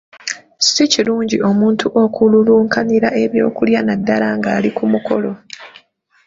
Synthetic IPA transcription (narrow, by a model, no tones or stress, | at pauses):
siciluːɲɟio̞muːntuʔo̞kululuːŋkʰaniɾaʔe̞βjo̞̰ːkuljanadːalaŋɡaːlikumuko̞lo̞